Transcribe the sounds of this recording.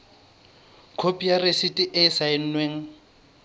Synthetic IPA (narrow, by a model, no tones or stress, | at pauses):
kʰopʼijaresitʼɪʔɪsaɪn̩nweːŋ̩